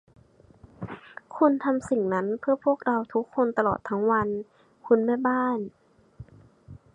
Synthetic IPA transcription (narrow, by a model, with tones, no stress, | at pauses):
kʰu˧nt̪ʰa˧msi˨˩ŋna˦˥npʰɯ˥˩əpʰu˥˩ək̚ɾa˧wt̪ʰu˦˥kʰːo˧nt̪a˧lɔ̰ː˨˩t̪ʰːa˦˥ŋwa˧n | kʰu˧nmɛː˥˩baː˥˩n